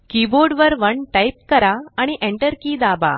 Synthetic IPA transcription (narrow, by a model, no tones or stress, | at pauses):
kiboɾɖʋəɾʋəɳʈajp̚kəɾaːɽ̃iʔeɳʈəɾkiːd̪aba̰